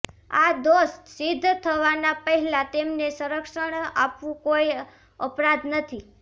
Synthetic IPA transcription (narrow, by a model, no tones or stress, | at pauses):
ad̪ost̪sid̪ʱːt̪ʰəʋanapəɦɛlat̪emnesəɾəkʃəɳapʋũkoj | ə̰pɾad̪nət̪ʰi